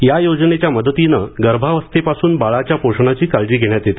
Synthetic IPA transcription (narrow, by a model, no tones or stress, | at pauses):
jajod͡znet͡ɕjaməd̪ət̪inəɡəɾbʱaʋəst̪epasuːnbaɭat͡ɕjapoʂɳat͡ɕiːkald͡ʑiːɡʱeɽ̃jat̪jet̪i̥